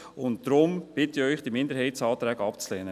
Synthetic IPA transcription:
ʊntd̥ɾʊmb̥ɪtɪœʏχd̥imɪndəɾɦhɛɪtsɑːt̪ɾɛːɡɑpt͡sleːnə

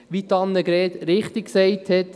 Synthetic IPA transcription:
ʋit̪ɑnːəɡɾɛːt̪ɾɪχt̪ɪk̚ksɛɪthɛt̪

